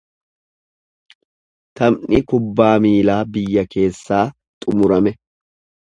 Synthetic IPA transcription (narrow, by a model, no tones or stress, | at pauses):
t̪ɐmnɪkʊbːaːmiːlaːbɪjːɐke̞ːsːaː | t̪ʼʊmʊɾɐmɛ